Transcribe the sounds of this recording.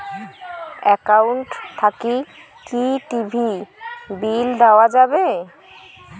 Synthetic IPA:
ɛkawɳʈt̪ʰaki | kiʈibʱibild̪aoad͡ʑabe

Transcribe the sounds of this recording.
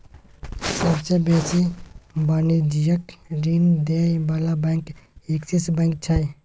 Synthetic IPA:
səbsebeːsibaːnid͡ʒijəkɾiːnd̪ebalabɛ̃ːŋkeksisbə̃ːŋk̚t͡ʃʰaj

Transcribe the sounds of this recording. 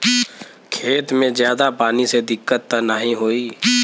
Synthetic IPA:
kʰeːt̪mẽzjaːd̪apaːnised̪ɪkːət̪ːənəɦĩɦoːiː

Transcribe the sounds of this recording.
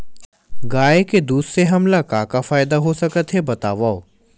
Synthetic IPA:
ɡaːeked̪uːsɾeɦɐmlakaːkafaːɪd̪aɦosɐkət̪ɦebɐt̪aːʋao

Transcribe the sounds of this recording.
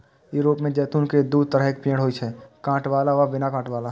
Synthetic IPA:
juːɾoːpmẽd͡ʒɛːt̪uːnked̪uːd̪̚ʱt̪əɾəɦeːk̚pĩːɽɦoːit͡ʃʰɛkãːʈʋaːlaʋɐbɪnakãːʈʋaːla

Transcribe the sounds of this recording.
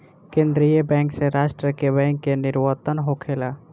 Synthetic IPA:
kẽːnd̪ɾijəbɛ̃ŋkseɾaːsʈɾəkebɛ̃ːŋkːenɪɾwət̪ənɦokʰela

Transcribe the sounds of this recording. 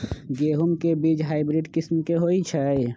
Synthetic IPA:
ɡeːɦumkebit͡ʃɦaːɪbɾiɖkɪsmkeɦoit͡ʃʰɛ

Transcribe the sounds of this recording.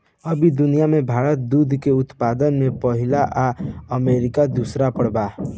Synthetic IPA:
əbʱid̪ʊnijamebʱaɾət̪̚d̪ud̪ʱkeʊt̪pad̪ənmepəɦɪlaʔaəmeɾɪkad̪usɾapəɽba

